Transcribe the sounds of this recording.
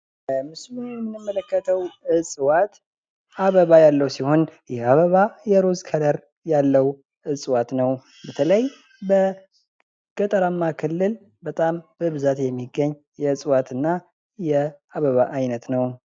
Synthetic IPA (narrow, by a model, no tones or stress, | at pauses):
mɨsmunjɛmːɨnːɨmːələkːət̪ʰəwɨsʼwat̪ | aβəβajalːəwsiho̞njɛaβəβajɛɾozkʰəd̪əɾ | jalːəw | ʔɨsʼwat̪nəw | bət̪ʰələj | bə | ɡ̥ət̪ʼəɾamːakʰɨlːɨl | bət̪ʼambəβɨzat̪jɛmːiɡəɲː | jɛɨsʼwat̪ɨnːa | jɛaβəβaʔajnət̪nəw